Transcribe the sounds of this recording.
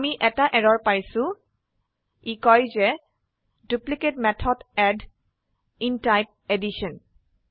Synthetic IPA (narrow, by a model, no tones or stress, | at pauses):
miʔɛtaʔɛɹɔɹpajsʊ̃ | ikɔjzɛ | dupliketmɛtʰɔdɛd | intajp̚ediʃɔn